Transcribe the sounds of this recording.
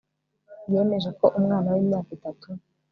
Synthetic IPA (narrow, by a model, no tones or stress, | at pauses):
jomeʒeko̞ʔumŋaːnawimɲaːkitatʰu